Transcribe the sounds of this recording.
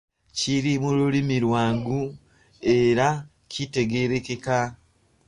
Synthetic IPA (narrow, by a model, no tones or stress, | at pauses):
ciɾimululimiɾwaːŋɡu | e̞ɾa | cʰite̞ɡe̞ɾe̞ke̞ka